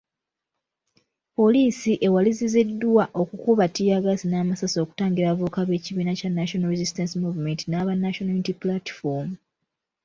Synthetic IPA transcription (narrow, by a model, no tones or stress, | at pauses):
po̞liːsiʔe̞walizizidːwaʔo̞kukuβatːijaɡasinaːmasaso̞ːku̥taːŋɡiɾavukaβe̞ːciβiːnacanːaʃo̞naɾezistansimuvime̞ntinaβanːaʃonojunitiplatfomu